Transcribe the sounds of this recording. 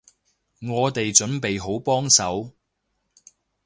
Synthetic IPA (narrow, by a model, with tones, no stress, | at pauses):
ŋɔː˨˧t̪e˨jt͡ʃɵ˨˥npe˨jɦo˨˥wpɔː˥ŋsɐ˨˥w